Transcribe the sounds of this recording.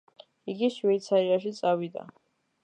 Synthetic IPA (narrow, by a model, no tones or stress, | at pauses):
iɡiʃwɛjt̪sʰaɾiaʃit̪sʼawid̪a̰